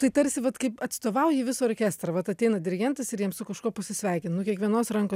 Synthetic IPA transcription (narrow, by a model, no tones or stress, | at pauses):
t̪ɐɪt̪ɐɾʲsʲɪʋɐt̪kɐɪpɐt̪st̪oːʋɐʊjɪʋʲɪsoːɾokʲæːst̪ɾɐʋɐt̪ɐt̪ʲɛɪnɐd̪ʲɪɾʲɪɡʲɛnt̪ɐsɪɾjiɛmsʊkɐʃkuːpɐsʲɪsʲʋʲɛɪkʲɪnnʊkʲiɛkʋʲiɛnoːsrɐŋko